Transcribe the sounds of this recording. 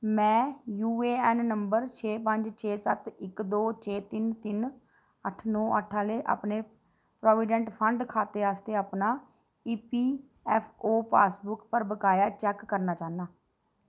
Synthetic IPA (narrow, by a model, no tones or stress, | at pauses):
mɛ̃ːjuːeːɛːnnəmbəɾt͡ʃʰeːp̬əɲd͡ʒt͡ʃʰeːsət̪ɪkd̪oːt͡ʃʰeːt̪ɪnt̪ɪn | əʈʰnɔ̃ːəʈʰaːleːʔa̰ːpneː | pɾoːʋɪɖɛ̃ɳʈpʰəɳɖkʰaːt̪eːaːst̪eːaːpnaː | iːpiː | ɛːpʰoːpa̰ːsbʊkpəɾbəkaːjaːt͡ʃɛːkːəɾnaːt͡ʃaːnaː